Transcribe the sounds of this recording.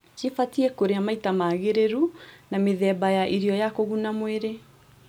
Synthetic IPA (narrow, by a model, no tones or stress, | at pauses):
t͡ʃefatiɛkoɾeamaitamaːɣeɾeɾunameðɛbajaʔiɾiɔjakoɣunamweɾe